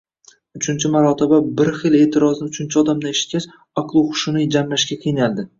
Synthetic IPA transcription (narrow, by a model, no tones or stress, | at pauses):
ʊt͡ʃʰɪnt͡ʃʰɪmaɾɒt̪ʰɪbabɪɾχɨle̞ːt̪ʰɪɾɒznɪʊt͡ʃʰɪnt͡ʃʰɪɒd̪amd̪aeʃɪ̥t̪̚ʲkʲaʃ | ɒqlˠʊwχʊ̥ʃʊnijd͡ʒamlaʃɡʲaqʰijɪnald̪ɪ